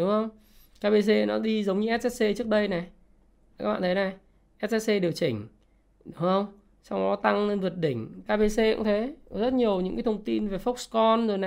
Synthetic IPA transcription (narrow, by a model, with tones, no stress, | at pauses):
ɗu˨˦ŋ͡mhə˧wŋ͡m | kaː˧pe˧s̬e˧nɔ˨˦ɗi˧zə˨˦wŋ͡mɲɨ˧ʔɛ˦˥t̚ʔɛ˦˥t̚se˧t͡ɕɨ˦˥ək̚ɗə˧jna˨˩ | aː˦˥k̚a̰ː˧˨t̪ʰːna˨˩ | ʔɛ˦˥t̚ʔɛ˦˥t̚se˧ɗi˨˩əwt͡ɕï˨˩ŋ̟ | ɗʊ˨˦ŋ͡mhə˧wŋ͡m | sa˧wɗɔ˨˦t̪a˧ŋe˧nvɨ˨˩ət̚ɗï˧˩ŋ̟kaː˧pe˧se˧kṵ˧˥ŋ͡mt̪ʰe˨˦zə˦˥t̚ɲi˨˩əwɲɨ̰˧˥ŋkaː˨˦t̪ʰə˧ŋ͡mt̪i˧nve˨˩fɔ˦˥k͡p̚skɔ˧nzo˨˩jna˨˩